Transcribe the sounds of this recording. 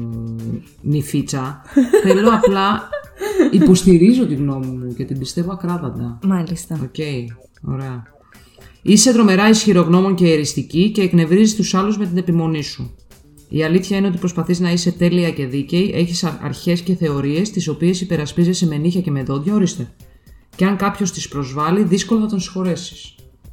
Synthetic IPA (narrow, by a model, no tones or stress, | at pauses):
nifit͡sɐθelo̞ɐplɐ | ipo̞st̪iɾizo̞t̪iɣno̞mimuce̞t̪ibist̪e̞vo̞ɐkɾɐðɐnd̪ɐmɐlist̪ɐo̰ce̞i | o̞ɾe̞ɐ | ise̞t̪ɾo̞me̞ɾɐisçiɾo̞ɣno̞mo̞ɲce̞ːɾist̪icice̞ːkne̞vɾizist̪usɐluzme̞t̪ine̞pimo̞nisu | ḭɐliθçɐine̞ot̪i̥pɾo̞spɐθiznɐise̞t̪e̞liɐce̞ðice̞iʔe̞çisɐ̰ɾçe̞sce̞θe̞o̞ɾie̞st̪iso̞pie̞sipe̞ɾɐspizese̞me̞niçɐce̞me̞ðo̞ðʝɐo̞ɾist̪e̞ | ceɐŋkɐpço̞st̪ispɾo̞zvɐliðisko̞loθɐt̪onsi̥xo̞ɾe̞si̥s